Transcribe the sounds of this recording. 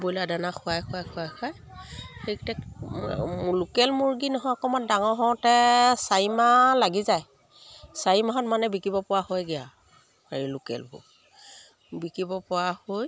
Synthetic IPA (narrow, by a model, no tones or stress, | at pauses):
bojladanaxʰʊajkʰʊajkʰʊajkʰaj | xektɛk | lukɛlmuɹɡinɔɦɔjɔkɔmandaŋɔɦɔwtɛsaimalaɡizaj | sajimaɦɔtmanɛbikibɔpɔwahojɡija | aɹilukɛ̰lbṵ | bikibɔpʊwahoj